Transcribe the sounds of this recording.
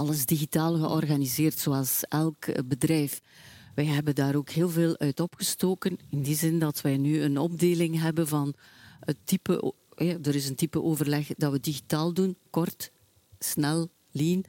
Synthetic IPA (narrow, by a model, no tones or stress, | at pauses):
ɑləzdiɣitaːlˠɣəʔɔrɣanizeːrtsoːɑlˠsɛlˠkbədɾɛjf | ʋɛjɦɛbəndaːɾoːkɦeːlˠveːlˠœɥtɔpxəstoːkənɪndizɪndɑtʋɛjnyənɔb̚deːlɪŋɦɛbənvɑn | ətːipə̰ʔ | ɦɛdəɾɪzəntipəʔoːvərlɛxdɑʋədiɣitaːlˠdunkɔrt | snɛlˠ | liːn